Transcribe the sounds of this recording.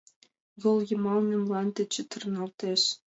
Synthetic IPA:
jɤ̆lˠjɤ̆mɑlˠnʲɤ̆mlˠɑnt̪ʲĕt͡ɕɘ̆t̪ɤ̆rnɑlˠt̪eʃ

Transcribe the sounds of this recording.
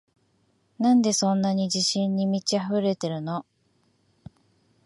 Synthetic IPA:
nãnd̪e̞sõ̞nːaɲ̟id͡ʑiɕĩɲːimʲit͡ɕiaɸɯ̟ɾe̞t̪e̞ɾɯ̟no̞

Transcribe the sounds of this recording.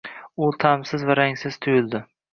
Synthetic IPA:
ʊt̪ʰamsɪzvaɾaŋsɪz̥t̪ʰʊjɪlˠd̪ɪ

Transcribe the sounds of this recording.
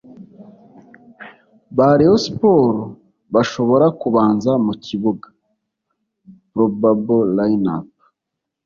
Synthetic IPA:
βaɾihosi̥po̞ːɾo | βaʃo̞βo̞ɾakuβaːnzamucʰiβuɡḁ | pɾobabolajna̰p

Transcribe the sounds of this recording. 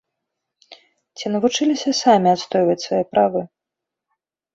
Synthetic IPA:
t͡sʲinɐvut͡ʂɨlʲisʲɐsamʲiat̪st̪ɔjvɐt͡sʲsvajɛpɾavɨ

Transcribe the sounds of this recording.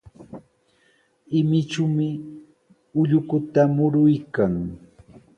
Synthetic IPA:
ɪmɪt͡ʃʊmɪ | ʊʎʊkʊt̪amʊɾʊjkaŋ

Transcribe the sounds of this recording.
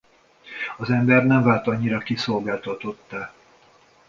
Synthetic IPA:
ɒzɛmbɛrnɛɱvaːlt̪ɒɲːiɾɒkiso̞lɡaːlt̪ot̪ot̪ːa

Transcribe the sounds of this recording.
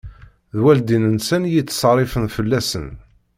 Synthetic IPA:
ðwæld̪inənsænjit͡sːsˤɑrˤɪfənfəlːæsə̰n

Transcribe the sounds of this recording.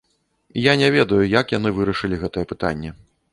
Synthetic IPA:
janʲɛvʲɛd̪ɐjujakjan̪ɨvɨɾɐʂɨlʲiɣɛt̪ɐjɛpɨt̪a̰nʲːɛ

